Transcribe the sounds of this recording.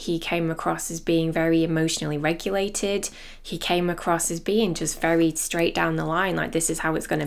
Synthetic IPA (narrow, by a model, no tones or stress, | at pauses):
hikʰẽɪ̃məkʰɹ̥ɒsɪzbiːɪ̃ŋvɛɹiɪmoʊʃən̩l̩ˠiɹɛɡjəleɪtʰɪd̥ | ikʰẽɪ̃məkʰɹ̥ɒshɨzbiːɪ̃ŋd͡ʒʌstv̥ɛɹistɹ̥eɪʔ̚d̥ãʊ̃nðəlãɪ̃nla̰ɪk̚ðɪsɨz̥haʊɪtsɡ̥ʌnə